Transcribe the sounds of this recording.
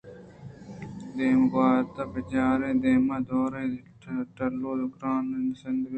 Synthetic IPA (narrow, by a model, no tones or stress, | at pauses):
d̪eːmbaːɾt̪apɐt͡ʃaːɾeːd̪eːmad̪oːɾe | ʈɐloːd̪ʊkɾaːnnsɪnd̪